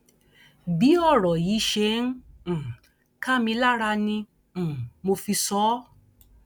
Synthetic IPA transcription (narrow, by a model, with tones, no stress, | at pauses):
bi˨˦ɔ˦˨ɾɔ˨ji˨˦ʃe˧˦ñ̩˦˨ | ka˦mĩ˧la˦ɾa˧nĩ˧˨ | mo˧fi˧sɔ˨˦